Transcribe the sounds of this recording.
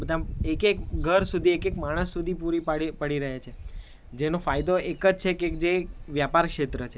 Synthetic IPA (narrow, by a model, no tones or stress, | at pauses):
bəd̪ʱãekekɡʱəɾsud̪ʱiekekmaɽ̃əsːud̪ʱipuɾipipəɽiɾəɦet͡ʃʰe | d͡ʒenofajd̪oʔekəd͡ʒt͡ʃʰekek̚d͡ʒeʋjapaɾkʃet̪ɾət͡ʃʰe